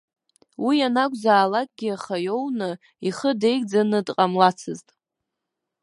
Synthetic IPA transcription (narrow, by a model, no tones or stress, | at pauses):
wijanakʷʼzaːlakʼɡʲiaχajownɨ | iχədejkʼd͡zanɨdqʼamlat͡sʰɨztʼ